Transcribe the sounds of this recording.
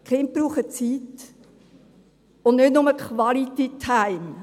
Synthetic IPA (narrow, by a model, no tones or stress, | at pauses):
kʰχɪnt̚b̥ɾuːχət͡siːt | ʊnnʏdnʊməkχvɑlit̪itʰaɪm